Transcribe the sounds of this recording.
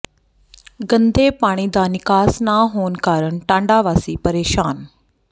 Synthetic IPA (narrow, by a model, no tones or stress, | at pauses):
ɡənd̪ʱeːpaːɽ̃iːd̪anɪkaːsnaɦoːnkaːɾəɳʈãːɳɖaːʋaːsiːpəɾeːʃaːn